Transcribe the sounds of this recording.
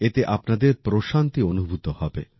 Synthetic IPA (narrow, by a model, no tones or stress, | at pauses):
et̪eʔapnad̪eɾpɾoʃant̪ionubʱut̪ohɔbḛ